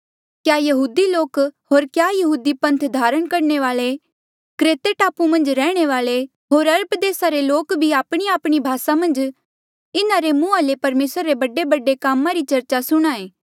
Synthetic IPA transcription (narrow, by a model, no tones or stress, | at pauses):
kjaːjɐɦuːd̪iloːkɦoːɾkjaːjɐɦuːd̪ipɐ̃nt̪ʰd̪ʱaːɾəɽ̃kɐɾɳeʋaːɭe | kɾeːt̪eʈaːpumɐ̃nd͡ʒɾɛːɽ̃eʋaːɭe | ɦoːɾɐɾəpd̪eːsaɾeloːkbʱiaːpɽ̃iaːpɽ̃ibʱaːsamɐ̃nd͡ʒ | ɪnaɾemũːalepɐɾmeːsɾaɾebɐɖebɐɖekaːmãɾit͡ʃɐɾt͡ʃasʊɽ̃aːeː